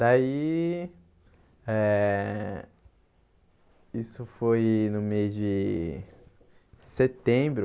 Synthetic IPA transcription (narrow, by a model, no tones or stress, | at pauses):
d̪ai | ɛ | isʊfojnʊmejzd͡ʒɪ | set̪ẽbɾʊ